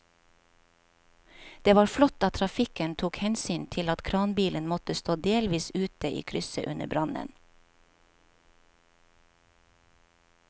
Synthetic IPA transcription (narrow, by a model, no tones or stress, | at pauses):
d̪̥eːʋɑːɾflɔt̪ɑːt̪ʰɾɑfɪkənt̪ʰuːkhɛnsyːnt̪ʰɪlɑt̪kʰɾɑːnbiːlənmɔt̪əst̪oːd̪eːlʋiːsʉːt̪əʔḭːkʰɾʏsə̰ʔʉnə̰bɾɑnə̰n